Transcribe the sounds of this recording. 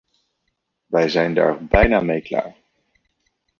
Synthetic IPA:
ʋɛjzɛjnda̰ːɹbɛjnaːmejkla̰ːɹ

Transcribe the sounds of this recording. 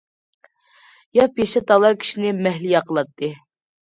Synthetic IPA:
jɑpeʃɛt̪ɑlˠɑɾkʲʰi̥ʃinɪmɛɦlijɑqʰəlˠɑt̪ʰːɨ

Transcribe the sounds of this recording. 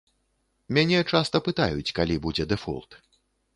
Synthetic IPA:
mʲanʲɛt͡ʂast̪ɐpɨt̪a̰jut͡sʲkalʲibud͡zʲɛd̪ɛfṵlˠt̪

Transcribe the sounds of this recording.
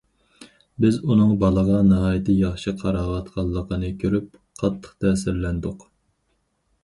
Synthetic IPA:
bɪzunɨŋbɑlˠəʁɑnɨɦɑːjt̪ʰɨjɑχʃɨqʰɑɾɑːʁɑt̪qʰɑlˠːəqʰənɨkʲʰøɾyp̚ | qʰɑt̪ʰːə̥χt̪ʰɛsɪɾlɛnd̪ʊq

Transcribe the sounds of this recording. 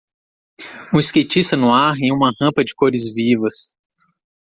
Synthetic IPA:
ũiskejt͡ʃist̪ɐnʊaɾẽj̃ũmɐhɐ̃pɐd͡ʒɪkoɾɪzvivɐs

